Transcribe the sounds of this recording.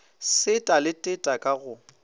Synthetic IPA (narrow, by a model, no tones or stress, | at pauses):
sɪtʼalɪtʼɪtʼakʼaɣʊ